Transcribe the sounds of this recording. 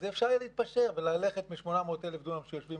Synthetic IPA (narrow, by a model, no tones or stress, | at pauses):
zeːfʃaʁleitt̚paʃe̞ʁvelale̞χet̪miʃmo̞namoːt̪elefd̪oamʃejo̞ʃvim